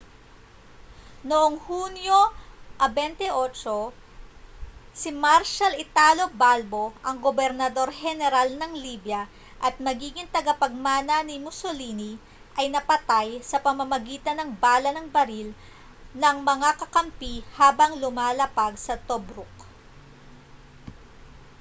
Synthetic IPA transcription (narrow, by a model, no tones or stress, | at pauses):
noʔoŋhunjoʔɐbɛnt̪ɛʔot͡ʃo̞ | simaɾʃɐlɪt̪aːlobalbo̞ʔɐŋɡobɛɾnɐd̪o̞ɾhɛnɛɾalnɐŋliːbjɐ | ʔɐt̪̚mɐɡiːɡɪŋt̪ɐɡɐpɐɡ̚maːnɐnimʊsoliːni | ʔɐjnɐpɐt̪ajsɐpɐmɐmɐɡiːt̪ɐnɐŋbaːlɐnɐŋbɐɾil | nɐŋmɐŋakɐkɐmpihaːbɐŋlʊmaːlɐpaɡsɐt̪obɾʊk